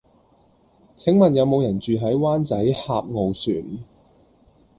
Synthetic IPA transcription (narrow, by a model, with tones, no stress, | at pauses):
t͡sʰɪ˨˥ŋmɐ˨njɐ˨˧wmo˨˧wjɐ˨˩nt͡syː˨ɦɐ˨˥jwaː˥nt͡sɐ˨˥jhaː˧p̚ŋo˨wsyː˨˩n